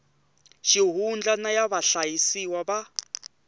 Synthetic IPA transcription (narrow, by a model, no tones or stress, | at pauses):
ʃiɦund͡ɮanajaβaɬajisiwaβa